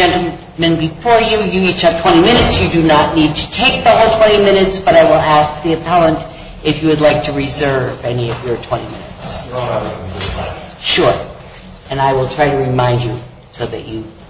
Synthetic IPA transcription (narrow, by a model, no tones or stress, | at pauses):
d͡ʒɛ̃ntˡl̩ˠ | mɨ̃nbɨfɔɹjɨjɨit͡ʃʌp̚tʰw̥ɛ̃ɾ̃imɪ̃ñɨtsjɨdɨnətⁿnid̚tʰɨtʰeɪk̚ðʌʔl̩ˠtʰw̥ɛ̃ɾ̃imɪ̃ñɨtsb̥ʌɾaɪwəlˠæsk̚ðiɨpʰælˠə̃nt | ɨfjɨwɨdˡlaɪk̚tʰɨɹizɜ˞vɛniʌvjə˞tʰw̥ɛ̃ɾ̃imɪ̰nɨ̰ts | ʃʊɹ | ɨ̃naɪwəlˠtʰɹ̥aɪɾɨɹɨmãɪ̃nd͡ʒɨ | soʊðɨ̰t͡ʃɨ